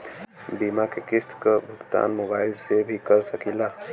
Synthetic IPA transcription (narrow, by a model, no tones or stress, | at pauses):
biːmakekɪst̪kəbʱʊɡt̪a̰ːnmoːbaːɪlsebʱikɐɾsɐkilaː